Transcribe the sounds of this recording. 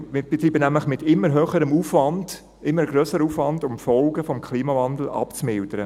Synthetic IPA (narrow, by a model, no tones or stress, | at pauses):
mɪb̥etɾiːbənæmləχmɪtɪmːəɾɦøːχəɾəmuːfvɑnd̥ | ɪmːəɾɡɾøːsəɾəuːfʋɑndʊmfɔlɡəfɔmkʰχliːmɑvɑndl̩ɑ̰pt͡smɪld̥əɾə